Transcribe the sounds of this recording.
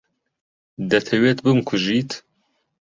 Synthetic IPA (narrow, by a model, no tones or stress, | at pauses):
d̪ɐt̪ʰɐweːt̪bɨmkʰuʒit̪